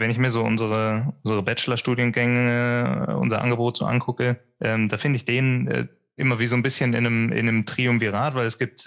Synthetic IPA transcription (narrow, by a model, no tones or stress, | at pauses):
vɛnɪçmiːɐzoːʔʊ̰nzəʁəʔʊnzəʁəbɛt͡ʃəlɐʃtuːdjənɡɛŋəəʔʊ̰nzɐʔa̰nɡəboːtz̥o̰ːʔa̰nkʰʊkə | ʔɛːmd̥aːfɪndəɪçd̥eːnənʔɛ̰ː | ʔɪmɐviːzoːnbɪsçənɪ̰nəmɪ̰nəmtʁ̥iːʊmviːʁaːtv̥aɪlɛsɡ̥iːp̚t